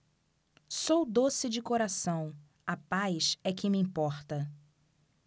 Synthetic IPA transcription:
sowd̪osɪd͡ʒɪkoɾasɐ̃w̃ | ɐpajsɛkɪmɪĩpɔɾt̪ɐ

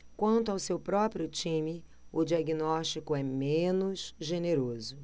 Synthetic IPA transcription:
kwɐ̃nt̪ʊawsewpɾɔpɾiʊt͡ʃĩmɪ | ʊd͡ʒiaɡinɔʃt͡ʃikʊɛmẽnʊzʒeneɾozʊ

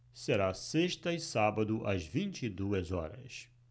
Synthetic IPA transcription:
seɾaseʃt̪ɐɪsabɐd̪ʊʔɐzvĩnt͡ʃid̪uɐzɔ̰ɾɐ̰s

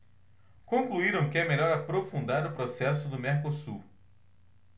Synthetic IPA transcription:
kõŋkluiɾɐ̃w̃kɪɛmeʎɔɾapɾofũnd̪aɾʊpɾosɛsʊd̪ʊmeɾkosu

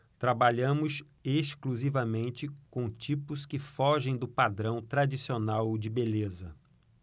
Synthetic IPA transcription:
t̪ɾabaʎɐ̃mʊs | eskluzivɐmẽnt͡ʃɪkõt͡ʃipʊskɪfɔʒẽj̃d̪ʊpad̪ɾɐ̃w̃t̪ɾad͡ʒisionawd͡ʒɪbelezɐ

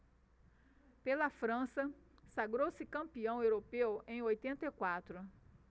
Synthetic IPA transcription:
pelɐfɾɐ̃sɐ | saɡɾowsɪkɐ̃mpiɐ̃w̃ewɾopewẽj̃ojt̪ẽnt̪ekwat̪ɾʊ

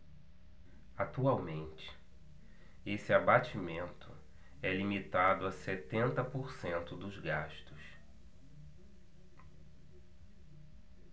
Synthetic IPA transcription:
at̪uawmẽnt͡ʃɪ̥ | esɪabat͡ʃimẽnt̪ʰʊ | ɛlimit̪ad̪ʊɐset̪ẽnt̪ɐpoɾsẽnt̪ʊd̪ʊzɡaʃt̪ʊs

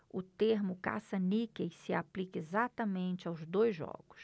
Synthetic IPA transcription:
ʊt̪eɾmʊka̰sɐnikejsɪaplikɐezat̪ɐmẽnt͡ʃɪawzd̪ojzʒɔ̰ɡʊs

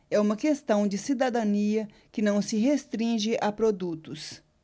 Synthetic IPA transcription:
ɛũmɐkest̪ɐ̃w̃d͡ʒɪsid̪ad̪ɐ̃niɐ | kɪnɐ̃w̃sɪɦest̪ɾĩʒɪʔapɾod̪ut̪ʊs

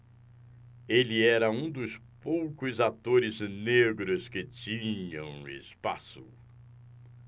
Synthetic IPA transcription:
elɪɛɾɐũd̪ʊspowkʊzat̪oɾɪzneɡɾʊskɪt͡ʃĩɲɐ̃w̃ḛspa̰sʊ

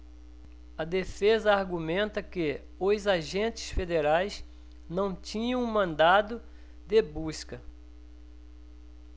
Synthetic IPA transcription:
ɐd̪efezɐaɾɡumẽnt̪ɐkɪ | ʊzaʒẽnt͡ʃɪ̥sfed̪eɾajs | nɐ̃w̃t͡ʃĩɲɐ̃w̃mɐ̃nd̪ad̪ʊ | d̪ebuskɐ

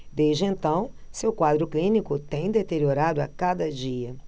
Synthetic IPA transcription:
d̪ezd͡ʒɪẽnt̪ɐ̃w̃ | sewkwad̪ɾʊklĩnikʊt̪ẽj̃d̪et̪eɾioɾad̪ʊakad̪ɐd͡ʒiɐ

